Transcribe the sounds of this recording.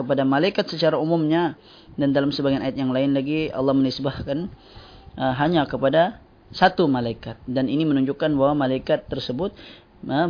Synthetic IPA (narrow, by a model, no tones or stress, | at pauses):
kəpadamalaikat̪sət͡ʃaɾaumumɲa | dandalamsəbaɡajanajat̪̚jaŋlaɪnlaɡiɑ̰lːɑhmənɪsbahkan | əɦaɲakəpada | sat̪umalaikat̪̚daninimənuɲd͡ʒʊkːanbahwamalaikat̪ːərsəbʊt̪̚ | ə